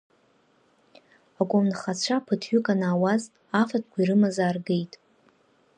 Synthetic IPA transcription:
akʷʼʊmnχat͡ɕʷʰapʰɨtʰɥʏkʼanaːwaz | afatʰkʷʰiɾɨmazaːrɡejtʼ

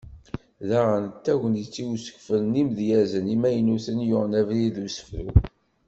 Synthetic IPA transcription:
ðæʁənt̪ːæʝənit͡sːiwsə̥kfəlnimðjæzənimæjənuθənjʊʁnævɾiðusə̥fɾṵ

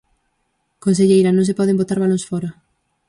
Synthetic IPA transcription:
kons̬eʎejɾanõŋsɪpɔðembot̪aɾβalõŋsfɔɾa

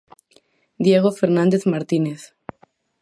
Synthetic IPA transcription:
d̪jeɣ̞ofeɾnãnd̪eθmaɾt̪ineθ

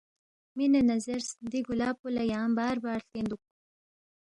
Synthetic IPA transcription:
minanazeɾsd̪iɡulɑːpulajɑːmbɑːɾbɑːɽɬend̪uk̚u

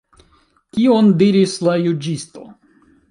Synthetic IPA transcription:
kiondiɾislajud͡ʒisto̞̰

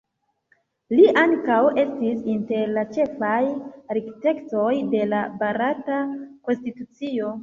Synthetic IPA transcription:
liʔaŋkawe̞stisinte̞ɾlat͡ʃe̞fajɾikte̞kto̞jde̞labaɾatako̞nstitut͡sio̞

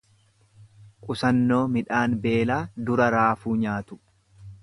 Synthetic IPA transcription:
kʼʊsɐnːoːmɪᶑaːnbe̞ːlaːd̪ʊɾɐɾaːfuːɲaːt̪ʊ̥

